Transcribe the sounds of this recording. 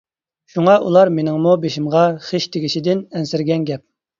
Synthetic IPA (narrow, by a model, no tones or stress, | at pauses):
ʃuŋɑʔṵlˠɑɾmenɪŋmubeʃimʁɑχeʃt̪ʰeɡʲiʃid̪ɪnɛnsɪɾɡʲɛnɡʲɛp̚